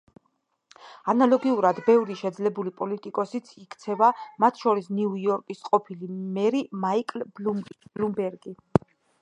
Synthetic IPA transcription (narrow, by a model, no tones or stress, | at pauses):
analɔɡiuɾad̪bɛvɾiʃɛd̪zlɛbulipʼɔlit̪ʼikʼɔsit̪sʰikʰt̪sʰɛvamat̪ʰʃɔɾisniuiɔɾkʼisqʼɔpʰilimɛɾimaikʼlblumblumbɛɾɡi